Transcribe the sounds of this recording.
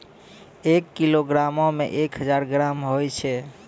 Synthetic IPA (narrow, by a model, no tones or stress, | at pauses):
ekːiloɡɾamõmḛ̃ʔekɦəd͡ʒaɾɡɾamɦojt͡ʃʰɛ